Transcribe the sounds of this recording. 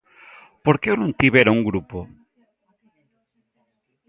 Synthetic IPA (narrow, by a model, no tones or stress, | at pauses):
poɾkewnũnt̪iβeɾauŋɡɾupo